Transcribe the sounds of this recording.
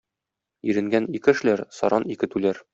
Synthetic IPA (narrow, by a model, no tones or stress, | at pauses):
iɾɘ̆ŋɡænikɘɘ̆ʃlæɾsɒ̰ɾɑnikɘ̆t̪ʉlæɾ